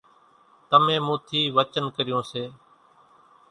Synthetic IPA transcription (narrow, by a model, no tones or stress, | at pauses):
t̪əmẽːmũːt̪ʰiːʋət͡ʃənkəɾɪjõːseː